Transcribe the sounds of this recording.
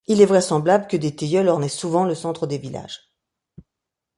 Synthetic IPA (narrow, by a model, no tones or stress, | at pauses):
ilɛvʁɛsɑ̃blabləkəd̪et̪ejœlɔʁnɛsuvɑ̃ləsɑ̃t̪χəd̪evila̰ʒ̥